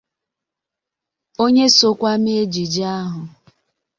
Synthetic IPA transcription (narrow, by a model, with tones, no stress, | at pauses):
o˦ɲe˦so˦kʷa˦me˦d͡ʒi˨d͡ʒa˦ɦʊ˨